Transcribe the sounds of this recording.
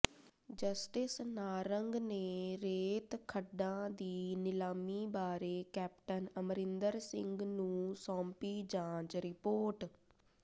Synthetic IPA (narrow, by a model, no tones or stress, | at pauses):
d͡ʒəsʈɪsnaːɾəŋɡneːɾeːt̪kʰəɖãːd̪iːnɪlaːmiːbaːɾeːkɛːp̚ʈənəmɾɪnd̪əɾsɪ̰̃ŋɡnũːsɔ̃ːmpiːd͡ʒãːt͡ʃɾɪpoːɾʈ